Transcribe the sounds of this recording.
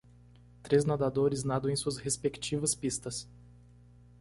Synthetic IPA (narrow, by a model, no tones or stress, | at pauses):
t̪ɾeznad̪ad̪oɾɪznad̪ow̃ẽj̃suɐshespekt͡ʃivɐspist̪ɐs